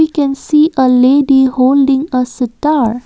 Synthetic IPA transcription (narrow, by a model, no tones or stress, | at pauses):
ikɛ̃nsiʔəleːɖihoːlɖɪ̃ŋəsətaɾ